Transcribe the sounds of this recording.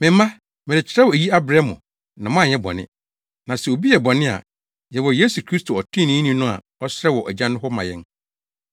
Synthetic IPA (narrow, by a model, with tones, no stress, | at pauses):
mɪ̃˨m˦mã˦ | mɪ̃˨ɪ˨t͡ɕʰɪ˨ɾɛ˦wɔ˨e˨ji˦a˦bɾɛ˦mʊ̰̃˨ | nã˨mã˦˨ɲɛ˦bɔ̰˨nɪ̰̃˦ | nã˨sɛ˨o˨bi˦jɛ˨bɔ˨nɪ̃˦a̰˨ | jɛ˨wɔ˨je˦su˨kʰɾi˦stʰo˨ɔ˨tʰĩ˦nĩ˦nĩ˦nʊ̃˦a̰˨ | ɔ˦sɾɛ˦wɔ˨ʔæ˨d͡ʑã˦nʊ̃˦ɦɔ˦mã˨jɛ˦n